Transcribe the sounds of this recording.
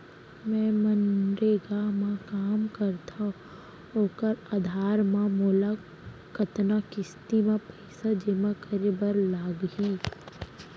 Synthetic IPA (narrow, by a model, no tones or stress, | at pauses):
mɛ̃ːmənɾeːɡamãkaːmkəɾt̪ʰa | oːkəɾad̪ʱaːɾmãmʊla | kət̪nakɪst̪imãpɛɪsad͡ʒemãkəɾebəɾlaːɡɦiː